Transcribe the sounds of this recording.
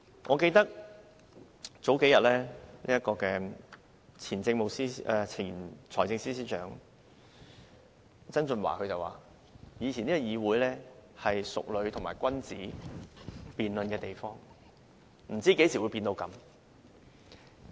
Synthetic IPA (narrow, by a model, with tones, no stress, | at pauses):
ŋʔɔ̰ː˨˧ke˧jt̪ɐ˥k̚ | t͡so˨˥wke˨˥jɐ˨t̚lɛː˥nḭː˥jɐ˥kɔː˧kɛː˧ | t͡sʰiː˨˩nt͡sɪ˧ŋmo˨wsiː˥˨˧t͡sʰiː˨˩nt͡sʰɔː˨˩jt͡sɪ˧ŋsiː˥siː˥t͡ʃœː˨˥ŋ | t͡sɐ˥nt͡sɵ˧nwa̰ː˨˩kʰɵ˨˧ɥt͡sɐ˨wa̰ː˨˩ | jiː˨˧t͡sʰːniː˥kːɔ˧jiː˨˧wuː˨˥jlɛː˥hɐ˨jsʊ̰˨k̚lɵ˨˧ɥt̪ʰŋmaː˨˩jkʷɐ˥nt͡siː˨˥ | piː˨nlɵ˧nkɛː˧t̪e˨jfɔː˥ŋ | m̩˨˩t͡siː˥ke˨˥jsʰiː˨˩wu˨˧jpiː˧nt̪o˧wkɐ˨˥m